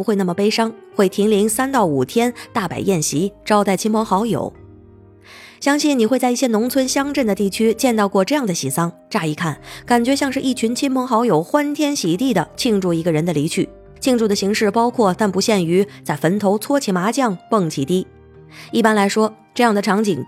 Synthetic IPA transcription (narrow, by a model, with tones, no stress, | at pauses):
xwe˥˧ɪna˥˩mə˩pe˥ɪʂɑ˥ŋxwe˥˩ɪt̪ʰi˧˥ŋli˧˥ŋsa˥nt̪ɑ˥˩ʊu˨˩t̪ʰjɛ˥nt̪a˥˩pa̰˨˩ɪjɛ˥˩nɕi˧˥ʈ͡ʂɑ˥ʊt̪a˥˩ɪt͡ɕʰi˥npʰɤ˧˥ŋxɑ˧˥ʊjo̰˨˩˦ʊ | ɕjɑ˥ŋɕi˥˩nni˨˩xwe˥˧t͡sa˥˧ɪi˥˩ɕjɛ˥nʊ˧˥ŋt͡sʰwə˥nɕjɑ˥ŋʈ͡ʂə˥˩nd̪ə˩t̪i˥˩t͡ɕʰy˥t͡ɕjɛ˥˧nt̪ɑ˥˧ʊkwɔ˥˧ʈ͡ʂɤ˥˧jɑ˥˩ŋd̪ə˩ɕi˨˩sɑ˥ŋ | ʈ͡ʂa˥˧i˧˩kʰa˥˩nka˨˩nt͡ɕɥɛ˧˥ɕjɑ˥˧ŋʂɻ̩˥˧ʔi˥˩t͡ɕʰy˧˥nt͡ɕʰi˥npʰɤ˧˥ŋxɑ˧˥ʊjo˨˩ʊxwa˥nt̪ʰjɛ˥nɕi˨˩t̪i˥˩d̪ə˩t͡ɕʰi˥˧ŋʈ͡ʂu˥˩i˧˥ɡə˧ɻə˧˥nd̪ə˧li˧˥t͡ɕʰy˥˩ | t͡ɕʰi˥˧ŋʈ͡ʂu˥˩d̪ə˩ɕi˧˥ŋʂɻ̩˥˩pɑ˥ʊkʰwɔ˥˧˩t̪a˥˩npu˧˥ɕjɛ˥˩ny˧˥t͡sa˥˩ɪfə˧˥nt̪ʰo˧˥ʊt͡sʰwɔ˥t͡ɕʰi˨˥˩ma˧˥t͡ɕjɑ˥˩ŋpɤ˥˩ŋt͡ɕʰi˨˥˩t̪i˥ | i˥˩pa˥nla˧˥ɪʂwɔ˥ | ʈ͡ʂɤ˥˧jɑ˥˩ŋd̪ə˩ʈ͡ʂʰɑ˧˥ŋt͡ɕḭ˨˩ŋ